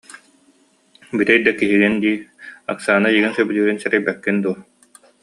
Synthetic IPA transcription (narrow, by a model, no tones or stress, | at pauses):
biɾɛjd̪akiɦiɡind̪iːa̰ksaːnajiɡinsœbylyːɾinsɛɾɛjbɛkːind̪uɔ